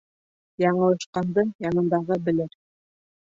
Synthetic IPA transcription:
jɑɴɤ̆lˠɤ̆ʃqɑnd̪ɤjɑnɤ̆nd̪ɑʁɤbɘ̆lɘɾ

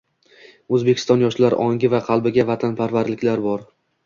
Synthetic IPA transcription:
ɵzbe̞kʲʰɪ̥st̪ɒnjɒʃlaɾʔɒŋʲɪvaqʰɑlˠbɪɡʲavat̪ʰanpʰaɾvaɾlɪkʲlaɾbɒɾ

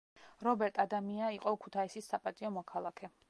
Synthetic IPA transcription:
ɾɔbɛɾt̪ʼad̪amiaiqʼɔkʰu̥t̪ʰaisisːapʼat̪ʼiɔmɔkʰalˠakʰɛ

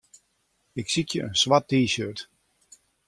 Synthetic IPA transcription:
ɪksitjə̰ʔə̰nsʋatːiːʃøt

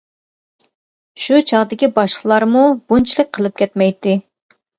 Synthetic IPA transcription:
ʃut͡ʃʰɑʁd̪ɪkʲibɑʃqʰəlˠɑɾmub̥unt͡ʃʰilˠək̚ʲqʰəlˠɨp̚kʲʰɛt̪mɛjt̪ʰːɪ

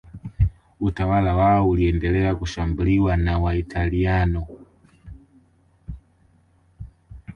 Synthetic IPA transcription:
utawalawaɔuliɛndɛlɛakuʃambuliwanawaitʰalianɔ

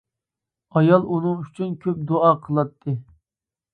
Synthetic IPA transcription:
ɑjɑlˠunɨŋyt͡ʃʰynkʲʰøp̚d̪oɑːqʰəlˠɑt̪ʰːɨ

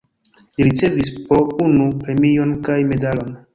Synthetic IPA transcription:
liɾit͡se̞vispounupɾe̞mio̞nkajme̞dalo̞n

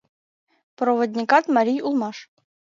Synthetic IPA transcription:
proʋŏd̪ʲnʲikɑt̪mɑɾʲijulˠmɑʂ

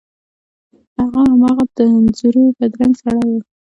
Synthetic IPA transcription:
haɣahamɑɣad̪̥əanzuɾopəd̪ɾaŋɡsaɽɑjwu

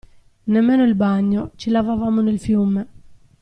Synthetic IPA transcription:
nɛmːɛːnʊilbaɲːot͡ʃilavavamonelfjume

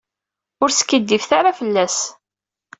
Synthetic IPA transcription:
ʊɾsə̥kːid̪ːifθaɾafəlːæs

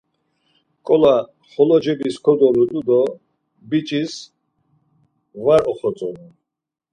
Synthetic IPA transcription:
kʼɔla | χɔlɔd͡ʒɛbiskʰɔd̪ɔɾud̪ud̪ɔ | bit͡ʃʼis | vaɾɔχɔt͡sʼɔn

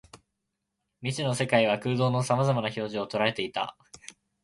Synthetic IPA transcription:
mʲit͡ɕino̞se̞kaiβ̞akɯ̟ːd̪o̞ːno̞samazamanaço̞ːʑio̞t̪o̞ɾae̞t̪eit̪a̰

